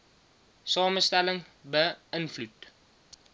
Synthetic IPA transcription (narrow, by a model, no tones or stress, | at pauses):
sɑːməstæləŋbəənflut